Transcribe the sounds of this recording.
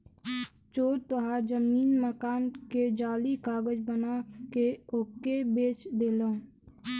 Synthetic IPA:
t͡ʃoːɾt̪oɦaːɾzəmiːnməkaːnked͡ʒaːlikaːɡəd͡ʒbənakeoːkːebeːt͡ʃd̪eːlõ

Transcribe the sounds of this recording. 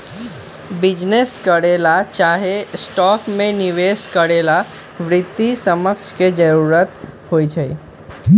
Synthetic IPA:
bɪd͡ʒneskəɽelat͡ʃaːɦesʈɔːkmẽnɪʋeːskəɽela | ʋɾɪt̪ːisəməkt͡ʃʰked͡ʒəɾuɾət̪hoid͡ʒʰəḭ

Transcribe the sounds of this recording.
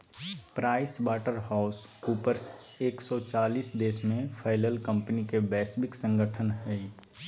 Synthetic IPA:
pɾaːɪsbaːʈəɾɦaːʊskuːpəɾs | eːksɔt͡ʃaːliːsd̪eːsmẽpʰaːɪləlkə̃mpənikebɛːsbɪksə̃ŋɡəʈʰənɦɛː

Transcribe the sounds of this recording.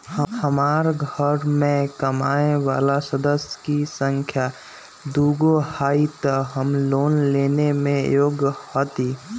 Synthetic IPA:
həmaːɾɡʱəɾmẽkəmaeʋa̰ːlasəd̪əsjə̥kisəŋkʰja | d̪uɡohaːit̪əɦəmloːnleːnemẽjoːɡhɔt̪i

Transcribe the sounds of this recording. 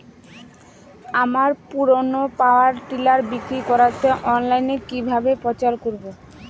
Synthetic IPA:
amaɾpuɾonopaoaɾʈilaɾbikɾikɔɾat̪ʰeʔɔnlajnekibʱabepɔt͡ɕaɾkoɾbo

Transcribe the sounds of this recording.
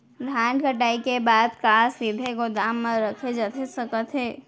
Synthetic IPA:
ɾʱaɳɖkəʈaikebad̪kasʋib̪ʱeɡod̪amːeɾəkʰed͡ʒət̪ʰesəkət̪ɦeː

